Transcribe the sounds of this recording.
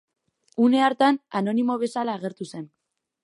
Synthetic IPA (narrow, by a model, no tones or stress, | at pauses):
une̞aɾt̪anano̞nimo̞β̞e̞salaːɣ̞e̞ɾt̪use̞n